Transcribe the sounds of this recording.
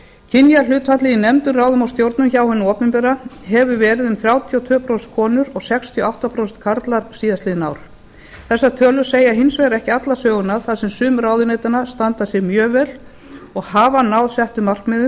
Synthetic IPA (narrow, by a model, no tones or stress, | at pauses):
cʰɪnjalʏːt̪fat̪lɪinɛmt̪ʏɾraːwðʏmawst̪jowɾt̪nʏmçawhɪnːʏɔːpɪmpɛɾaɦɛvʏvɛːɾɪðʏmθɾjawt̪ʰijɔwt̪ʰœːpʰɾowst̪kʰɔːnʏɾɔɣsɛkst̪ʰiɔawht̪apʰɾowst̪kʰaɾt̪laɾsiːðast̪ɪðnawɾ̥ | θɛsːat̪ʰœːlʏ̥seːjaɦɪnsvɛjɾɛhcɪat̪lasœːɣʏnaðθaðsɛmsʏːmraːwðʏnejt̪anast̪ant̪asjɛɾmjœːvɛl | ɔɣhaːvanawðsɛht̪ʏmar̥kmɪðʏ